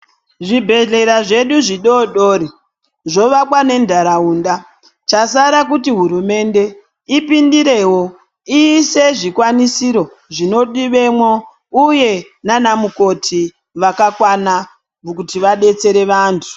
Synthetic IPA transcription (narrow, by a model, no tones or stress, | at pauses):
ʐibʱe̞ɮe̞ɾaʐe̞ɗuʐiɗoɗoːɾi | ʐo̞ʋakwane̞ndʱaɾauːnda | t͡ʃasaɾak̬utiɦuɾume̞nde̞ | ipindiɾe̞wo̞ | iːseʐikwanisiɾo̞ | ʐino̞ɗiʋe̞mwo | uje̞ | nanamuko̞tʰi | ʋakakwana | mukutiʋaɗe̞t͡se̞ɾe̞ʋaːntʰu